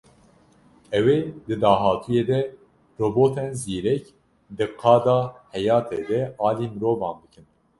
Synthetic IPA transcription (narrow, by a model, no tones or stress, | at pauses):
ɛweːd̪ɨd̪ɑːɦɑːt̪ʰujeːd̪ɛ | roːboːt̪ʰɛnziːɾɛk | d̪ɨqʰɑːd̪ɑːhɛjɑːt̪ʰed̪ɛɑːliːmɨɾoːvɑːnb̪ɨkɨn